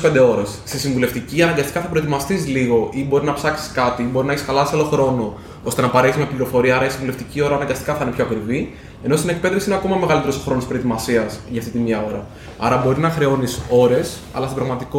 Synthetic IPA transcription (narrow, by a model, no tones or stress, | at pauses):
pend̪e̞o̞ɾesst̪isiɱvule̞ft̪iciɐnɐŋɡɐst̪i̥kɐθɐpɾoet̪imɐst̪isliɣo̞ʔibo̞ɾiznɐpsɐksi̥skɐt̪iibo̞ɾinɐeçi̥skɐlɐsɐlo̞xɾo̞no̞ | o̞st̪e̞nɐpɐɾeçismepliɾofo̞ɾiɐɐɾɐisiɱvuleft̪icio̞ɾɐːnɐŋɡɐst̪i̥kɐθɐinepço̞ɐkɾivi | e̞no̞st̪ine̞k̚pe̞ðe̞fsiineɐko̞mɐme̞ɣɐlit̪eɾooxɾo̞nospɾot̪imɐsiɐsʝɐːft̪it̪imɲɐo̞ɾɐ | ɐɾɐbo̞ɾiznɐxɾe̞o̞niso̞ɾe̞s | ɐ̰lɐst̪bɾɐɣmɐt̪iko